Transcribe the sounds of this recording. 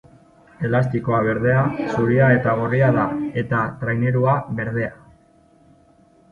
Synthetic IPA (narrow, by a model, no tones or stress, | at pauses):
e̞last̪iko̞aβ̞e̞ɾðe̞asuɾiae̞t̪aɣoriaðae̞t̪at̪ɾajne̞ɾuaβe̞ɾð̞e̞a